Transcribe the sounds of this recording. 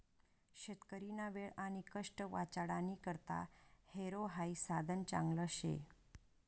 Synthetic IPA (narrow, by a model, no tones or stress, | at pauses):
ɕət̪kəɾinaʋeɭañikəʂʈəʋat͡ɕaɽanikəɾt̪a̰heɾoɦaisad̪ʱənt͡ɕa̰ŋɡləɕḛ